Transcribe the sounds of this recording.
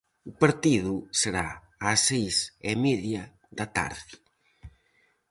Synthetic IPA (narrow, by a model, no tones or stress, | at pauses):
ʊpaɾt̪iðʊseɾa̰ː | sːejsemeðjɐ | ðɐt̪a̰ɾðɪ